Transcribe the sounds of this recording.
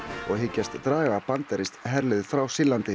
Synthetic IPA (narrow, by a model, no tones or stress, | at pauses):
ɔɣɦɪcːast̪t̪ɾaːɣapant̪aɾɪst̪ɦɛɾlɪðɪfɾawsɪlːant̪ɪ